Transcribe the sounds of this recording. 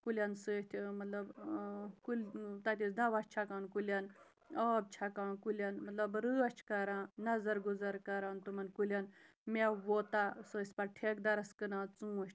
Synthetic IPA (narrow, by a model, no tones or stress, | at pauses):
kulʲjansəːʃt̪ʲʰmɐt̪lɐb | kulʲt̪ɐt̪̬ʲisd̪aʋaʃt͡ʃʰakaːnkulʲan | əːb̚t͡ʃʰakaːnkulʲanmɐt̪lɐbɾɨɐt͡ʃʰkɐɾãnɐzɐɾɡuzɐɾkɐɾant̪umɐnkulʲan | meʋot̪asəːsʲpɐʈʰek̚d̪ɐɾɐskɨnaːt͡sũːʃt̪ʲʰ